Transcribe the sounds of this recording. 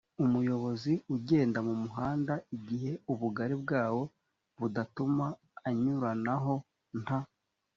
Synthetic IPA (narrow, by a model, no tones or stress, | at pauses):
umujo̞βo̞ziuɟe̞ːndamumuɦaːndaiɟihe̞uβuɡaɾib̚ɡaːwo̞ | βudatumaː | ɲuɾanaɦo̞ | n̥ha